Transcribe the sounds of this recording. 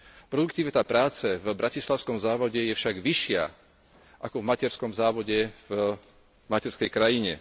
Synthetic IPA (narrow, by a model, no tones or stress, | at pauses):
pɾɔd̪ukt̪iːʋɛt̪apɾaːt͡sɛvbɾacislaʊskɔmzaːʋɔɟɛjɛfʃaɡʋiʃɪa̰ | ʔakɔvmacɛɾskɔmzaːʋɔɟɛv | macɛɾskɛjkɾajiɲɛ̰